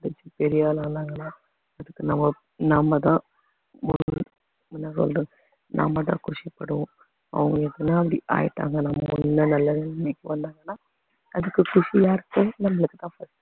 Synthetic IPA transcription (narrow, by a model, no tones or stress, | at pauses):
ʊɽɐt͡ʃːɯpɛɾɪjaːlaːnd̪aːŋɡɐnːaː | ɐðɯkːɯnɐmːɐ | naːmːɐt̪ãː | mʊn̰ | mʊnːɐsɔ̰lɯŋ | nʔa̰ːmːɐt̪ã̰ːkʊʂipːɐɽɯʋʊ̃ | ɐ̰ʋɐŋɡɐɭet̪ːɐnːãɐp̬ːɐɽḭa̰ːjɪʈːa̰ːŋɡɐnɐmːɐmʊnːɐnɐlːɐnɐnɐmekːɯʋɐnd̪aːŋɡɐnːaː | ɐðɯkːɯkʊʂijaːɾɯkːɯnɐmːɐɭɯkːɯ̥t̪ːãːfɐsʈ